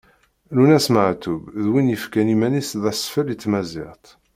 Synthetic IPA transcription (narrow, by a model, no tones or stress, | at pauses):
lunæsməʕt̪ːubðwinjəfkænimænisðæsfəlit͡sːmæzɪ̰ʁt̪